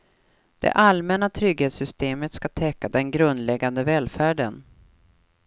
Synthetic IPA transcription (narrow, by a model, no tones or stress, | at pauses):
d̪̥ɛ̰ʔalmɛnat̪ʰɾʏɡheːt̪sʏst̪eːmət̪skat̪ʰɛkːad̪ɛnɡɾɵnd̪lɛɡːand̪əvɛːlfæːɖə̰n